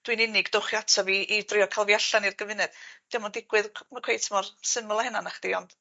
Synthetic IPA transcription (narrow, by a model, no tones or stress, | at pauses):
d̥winɪnɪɡd̥ʊχiatʰɔviʔːdrɪɔkʰalˠviaɬanirɡəvɪnɨð̥d̥ɪmɔdɪɡ̥wɨðmakʰwejtʰmɔrsɪməlˠahɛnanaχd̥eɔnd̥